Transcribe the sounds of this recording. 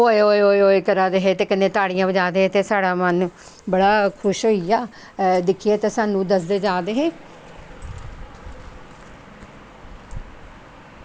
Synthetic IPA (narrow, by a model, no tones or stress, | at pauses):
ɦoːeoːoːeoːeːkəɾaːd̪eːɦeːt̪eːkənẽːt̪aːɽijãːʋəd͡ʒaːd̪eːɦet̪eːsaːɽaːmən | bəɽaːkʰʊʃɦoːiaː | d̪ɪkʰieːt̪ãːsaːnũːd̪əsd̪eːd͡ʒaːd̪eːɦeː